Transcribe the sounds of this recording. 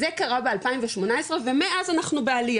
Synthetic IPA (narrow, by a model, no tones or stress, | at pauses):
zekaʁabe̞alpaimveʃmo̞nae̞sʁeve̞meʔazanaχnubealija